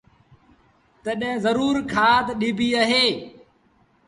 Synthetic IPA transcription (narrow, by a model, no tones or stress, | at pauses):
t̪əɗɛ̃zəɾuːɾkʰaːt̪ɗiːbʱiːəɦeː